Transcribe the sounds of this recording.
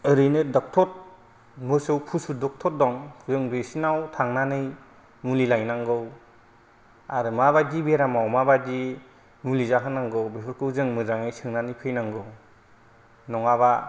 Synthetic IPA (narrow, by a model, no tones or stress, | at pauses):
ɯɾɯjnɯdɔk̚tʰɔt̚ | mɯsɯwpʰusudɔk̚tʰɔt̚dɔŋzɯŋbesinawtʰaŋnanɯj | mulilajnaŋɡɯw | a̰ɾɯmaβajdibeɾamawmabadi | mulizakʰɯnaŋɡɯwbepʰɯɾkʰɯwzɯŋmɯzaŋɯjsʰɯŋnanɯjpʰɯjnaŋɡɯw | nɔŋaβa